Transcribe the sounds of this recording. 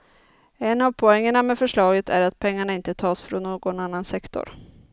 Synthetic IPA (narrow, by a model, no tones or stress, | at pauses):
ɛnavpʰɔɛŋːəɳamɛfœʂɭɑːɡət̪ʰæ̰ɾat̪̚pʰɛŋːaɳaɪnt̪ət̪ʰɑːsfɾɔnːoːɡɔnanːansɛkt̪ʰɔ̰ɾ